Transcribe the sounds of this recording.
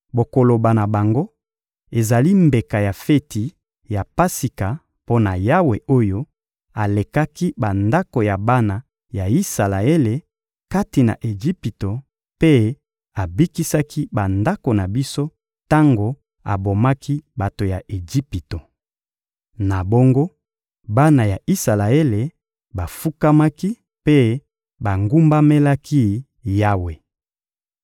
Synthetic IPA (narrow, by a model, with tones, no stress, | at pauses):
bo˨ko˨lo˨ba˨na˨ba˨ŋɡo˦ | e˨za˨li˦mbe˨ka˨ja˨fe˦ti˨ | ja˨pa˦si˨ka˨ | po˦na˨ja˦we˨o˦jo˦ | a˨le˨ka˦ki˦ba˨nda˦ko˨ja˨ba˦na˨ | ja˨i˦sa˨la˨e˦le˨ | ka˦ti˨na̰˨ʔe˨ʒi˦pi˨to˨ | pe˦ | a˨bi˦ki˦sa˦ki˦ba˨nda˦ko˨na˨bi˦so˦ | ta˦ŋɡo˨ | a̰˨bo˨ma˦kʰi˦ba˨to˨ja˨ʔe˨d͡ʒi˦pi˨to˨ | na˨bo˦ŋɡo˦ | ba˦na˨ja˨ʔi˦sa˨la˨e˦le˨ | ba˨fu˦ka˦ma˦ki˦ | pe˦ | ba˨ŋɡu˦mba˦me˦la˦kʰi˦ | ja˦we˨